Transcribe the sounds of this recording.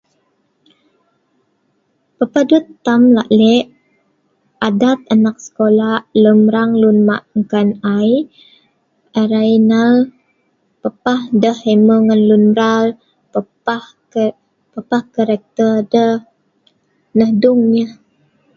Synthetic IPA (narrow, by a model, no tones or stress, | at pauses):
pəpadut̪ːamla̰ʔlɛʔ | ʔadat̪̚anak̚sə̥kolaləmɾaŋlunma̰ʔŋkanaj | aɾajnal | pəpahdəheməŋanlunmɾal | pə | ah | pəpahkaɾɛk̚t̪ərdə | nəhduŋɲəh